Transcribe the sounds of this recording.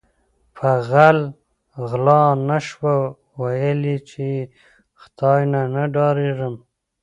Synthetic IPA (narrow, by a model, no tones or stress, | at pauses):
faɣal | ɣlɑnaʃwa | wajəlit͡ʃe | xt̪ɑjnanaɖɑɾeʐəm